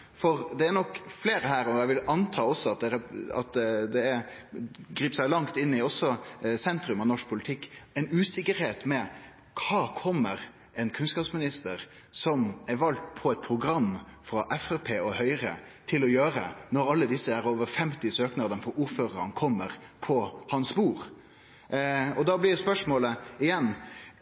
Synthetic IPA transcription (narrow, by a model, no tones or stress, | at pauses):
fɔɾd̪ɛːɾnɔkfleːɾəhæːɾɔæɪʋɪlɑnt̪ʰɑːɔsːɔɑt̪̚d̪ɛɾɛɑ̰t̪d̪ɛæ | ɡɾiːpsæɪlɑŋt̪ɪnːɪɔsːɔsɛnt̪ɾʉmɑnɔʂk̚pʰʊlɪt̪ʰɪkːɛɪnʉːsɪkːəɾheːt̪mɛ | kʰɑːkʰɔmːəɾ | ɛnkʰʉnskɑːpsmɪnɪst̪əɾ | sɔmɛʋɑlt̪pʰɔɛɪt̪̚pʰɾʊɡɾɑmfɾɑʔɛfæpʰeːɔhœʏɾə̰t̪ʰɪlɔjøːɾə̰nɔɾɑlːəd̪ɪsːəæɾoːʋəɾfɛmt̪ɪsøːknɑd̪ənəfɔɾuɾføːɾəɾə̰nkʰɔmːəɾpʰɔhɑnsbuːɾ | ɔd̪ɑːblɪdɛspœʂmoːləɪjɛnː